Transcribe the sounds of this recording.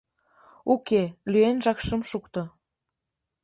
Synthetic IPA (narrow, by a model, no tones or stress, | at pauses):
ukelyenʒɑkʃə̆mʃukt̪ɤ